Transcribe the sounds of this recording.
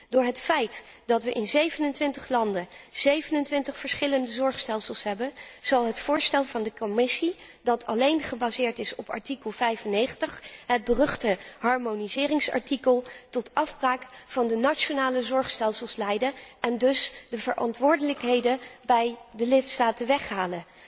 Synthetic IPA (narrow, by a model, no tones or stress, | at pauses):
dʊːɹɦətfɛjtdɑtʋəʔɪnzejvənəntʋɪntəχlɑndəz̥ejvənəntʋɪntəχfəɹsχɪləndəzɔɹχstɛlˠsəlˠsɦɛbənz̥ɑlˠɦətfʊːɹstɛlˠvɑndəkomɪsidɑtʰɑlejnχəbazɪːɹtɪsɔpɑ̰ɹtikəlˠvɛjvənːejχəntəχɦəd̚bərɵχtəɦɑɹmonizɪːrɪŋsɑ̰ɹtikəlˠtɔtʔɑfbraːkfɑndənat͡ʃonaːləzɔɹχstɛlˠsəlˠslɛjdənʔɛndɵsdəvəɹʔɑ̰ntʋʊːɹdələkɦejdəbɛjdəlɪtstaːtəʋɛχɦaːlən